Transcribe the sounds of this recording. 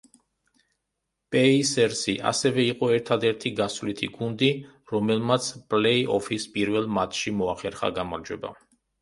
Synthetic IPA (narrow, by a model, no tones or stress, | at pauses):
pʼɛisɛɾsiʔa̰sɛvɛiqʼɔɛɾt̪ʰad̪ɛɾt̪ʰiɡasvlit̪ʰḭɡund̪i | ɾɔmɛlˠmat̪sʰpʼlɛiʔɔfʰispʼiɾvɛlˠmat̪ʰʃimɔaχɛɾχa̰ɡamaɾd͡ʒwɛba̰